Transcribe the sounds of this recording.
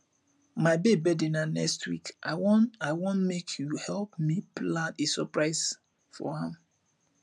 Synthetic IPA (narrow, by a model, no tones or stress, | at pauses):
maɪbebɛdinanɛ̰kstʰwḭkʔawɔnaɪwõnmekʰjuhɛlpmiplãnesɔpɹaɪs | fɔ̰hãm